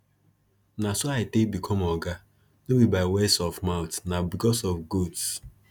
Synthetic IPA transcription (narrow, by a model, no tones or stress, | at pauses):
nasoaɪtekbikʰɔmɔɡa | nobibaɪwɛsɔfmaʊtnabikɔsɔfɡods